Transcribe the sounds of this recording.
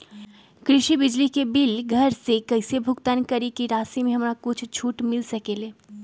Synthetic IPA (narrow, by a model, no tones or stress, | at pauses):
kɾɪʃibɪd͡ʒlikebɪlɡʱɐɾsekɐɪsebʱʊɡt̪ankɐɾikiɾaːsimẽɦɐmɾakʊt͡ʃʰt͡ʃʰuːʈmɪlsɐkeːleː